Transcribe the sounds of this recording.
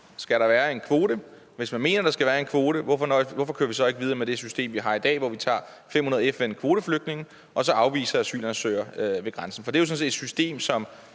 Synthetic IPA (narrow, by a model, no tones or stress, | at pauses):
sɡ̥æɾɑ̈ʋæːɐe̝nkʰʋo̝ːɾ̥ə | ʋe̝smænme̝̰ːnɐɾ̥ɑ̈sɡ̥æʋæːɐe̝nkʰʋo̝ːɾ̥əʋɒfɒnɒʋɒfɒ̽kʰø̰ːɐʋis̬ɒ̽e̝ɡ̥əʋið̞ˠɐmed̥esysd̥e̝̰ːmʋiɦɑ̈id̥ɛ̰ːʋɒʋit͡sʰɑ̰̈ː | fem̰hunɐð̩ˠefenkʰʋo̝ːɾ̥əfløɡ̥̚d̥ne̝ŋn̩ | ʔɒ̽sɒ̽ɑ̈ʊʋḭːsɐæsy̰ːlɐnsø̰ːɐʋe̝ɡ̥ʁansn̩fɒ̽d̥ejʊsɒ̽nse̝ːed̥sysd̥e̝̰ːmsɒ̽m